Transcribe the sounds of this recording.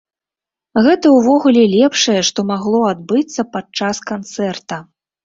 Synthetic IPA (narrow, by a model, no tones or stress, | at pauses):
ɣɛt̪ɐwvɔɣulʲɛlʲɛpʂɐjɛʂt̪ɔmaɣlˠɔad̪̚bɨt̪sːɐpat͡ʂaskant̪sɛrt̪ɐ